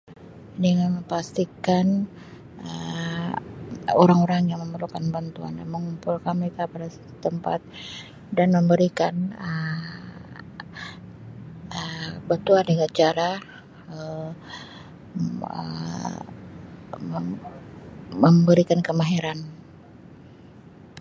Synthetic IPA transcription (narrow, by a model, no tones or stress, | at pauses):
dəŋanməmpast̪ikan | ə | oɾaŋoɾaŋjaŋməmərlukanbant̪ua̰ndanməŋumpʊlkanməɾekapadasḁt̪u̥t̪əmpa̰t̪̚ | danməmbəɾikanə | əbət̪uadəɡat͡ʃaɾa | ə | ə̰ | əmbəɾikankəmaɦeɾan